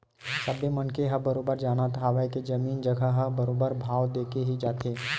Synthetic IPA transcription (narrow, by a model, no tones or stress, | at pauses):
sɐbemɐnkeɦɐbɐɾoːbəɾd͡ʒaːnat̪ʰaːʋaeked͡ʒɐmiːnd͡ʒəɡʱaɦəbɐɾoːbəɾbʱaːʋd̪eːkeɦid͡ʒaːt̪eː